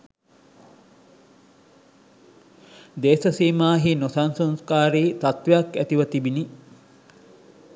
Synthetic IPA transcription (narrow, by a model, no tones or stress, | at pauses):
d̪eːsɐsiːmaːɦinosansonskaːɾiːt̪at̪ʋeɐkːæt̪iʋɐt̪ibini